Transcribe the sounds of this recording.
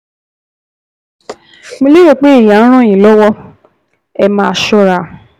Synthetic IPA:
mo˧˦le˦jo˦˨k͡pe˦i˦˨jã˨˦ɾ̃ã˦˨j̃ĩ˨lɔ˦wɔ˦ | ɛ˧mãː˧˨ʃɔ˧ɾa˨

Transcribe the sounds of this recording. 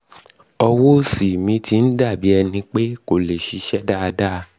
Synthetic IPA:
ɔ˧wo˦si˨mĩ˨˧˦ti˧n̩˦da˦˨bi˨˦ɛ˧nĩ˧k͡pe˦ko˨le˨ʃi˨˧˦ʃɛ˦da˦a˧da˦˧

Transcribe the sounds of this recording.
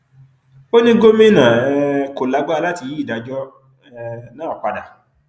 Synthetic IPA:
o˦nĩ˦ɡo˦mĩ˦˨nã˨ɛ˧˦ko˨la˨˦ɡ͡ba˦˧la˦ti˧˨ji˦i˦˨da˨˧d͡ʒɔ˦ | ɛ˦˧nãː˦˨k͡pa˧da̰˨

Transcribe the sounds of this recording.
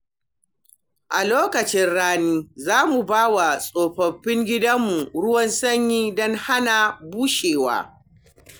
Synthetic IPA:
ʔa˨loː˦kɐ˨t͡ʃɪ˦nɽaː˦niː˦zaː˦mu˨baː˦wa˨sʼoː˨ɸɐ˨ɸːɪ˦ŋɡʲɪ˦dɐ˦mːu˨ɽʊ˦wɐ˦nsɐ˦ɲjiː˦dɔ˦ŋha˦na˨buː˦ʃeː˨wa̰ː˦

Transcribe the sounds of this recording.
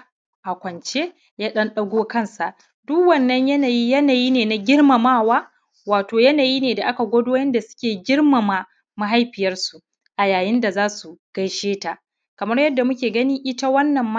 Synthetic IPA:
ʔa˨kʷɐ˨nt͡ʃe˦ | jaː˦ɗɐ˦nɗɐ˦ɡʷoː˦kɐ˦˨nsa˨ʔ | dʊ˦kwɐ˨nːɐ˦ɲjɐ˦naː˨ji˦jɐ˦naː˨jiː˦neː˨na˨ɡʲɪ˦rma˨maː˦˨waː˦ | waː˨toː˨jɐ˦naː˨ji˦neː˨da˨ʔa˦ka˨ɡʷɔ˦doː˦jɐ˦nda˨sʊ̥˦kʲeː˨ɡʲɪ˦rma˨maː˨ | ma˦ɦa˦jɸɪ˨jɐ˦rsu˨ | ʔa˨jaː˨jɪ˦nda˨zaː˦su˨ɡ̥ɐ˦˨jʃeː˦ta˨ | kɐ˨mɐ˦rjɐ˦dːa˨mʊ˦kʲeː˨ɡɐ˦ni˦ʔɪ˦ta˦wɐ˦nːɐ˨mːa˦

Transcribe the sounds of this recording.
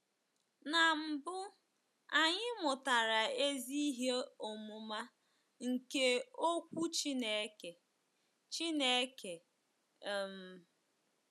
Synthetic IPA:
na˨m̩˨bʊ˦ | a˨ɲɪ˦mʷʊ˨ta˨ɾa˨e˦zi˦ɦe˦o˨mʊ˨ma˦ | ŋ̩˨ke˦o˦kʷu˦t͡ʃi˦ne˨˦ke˨ | t͡ʃi˦ne˦ke˨ | m̩˨

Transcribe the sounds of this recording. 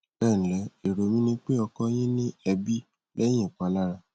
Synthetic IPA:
b̥ɛ˦˨ñ̩˨lɛ˨˦e˨ɾo˨mĩ˦nĩ˦k͡pe˦ɔ˧kɔ˦j̃ĩ˦nĩ˦ɛ˧bi˦ | lɛ˦j̃ĩ˦˨k͡pa˨˦la˦ɾa˧

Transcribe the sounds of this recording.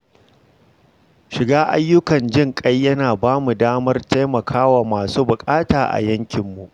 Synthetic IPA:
ʃɪ˨ɡaː˦ʔa̰˦jːʊ˦kɐ˨nd͡ʒɪ˦ŋkʼɐ˦jːɐ˦naː˨baː˦mu˨daː˦mɐ˦rta˦jmɐ˨kʰaː˦waː˨maː˨suː˦bʊ˨kʼaː˦taː˨ʔa̰˨jɐ˦ŋkʲɪ˨mːu˨ʔ

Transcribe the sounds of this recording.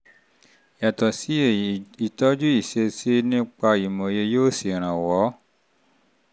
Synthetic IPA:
ja˨tɔ˨si˨˦˨i˨tɔ˦d͡ʒu˦i˦˨ʃe˧se˦nĩ˦k͡pa˧i˨mõ˨je˧joː˦˨si˨ɾ̃ã˨wɔ˨˦

